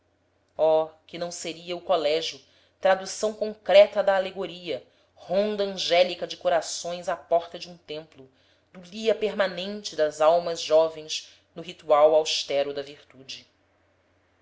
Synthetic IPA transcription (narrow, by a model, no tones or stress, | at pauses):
ɔkɪnɐ̃w̃seɾiɐʊkolɛʒjʊ | t̪ɾad̪usɐ̃w̃kõŋkɾɛt̪ɐd̪ɐːleɡoɾiɐ | hõnd̪ɐɐ̃ʒɛlikɐd͡ʒɪkoɾasõj̃zapɔχt̪ɐd͡ʒɪũt̪ẽmplʊ | d̪ʊliɐpeɾmanẽnt͡ʃɪd̪ɐzawmɐzʒɔvẽj̃z | nʊɦit̪uawawʃt̪ɛɾʊd̪ɐviɾt̪ud͡ʒɪ